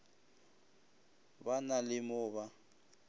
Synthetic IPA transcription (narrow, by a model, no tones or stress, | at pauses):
banalɪmʊːβa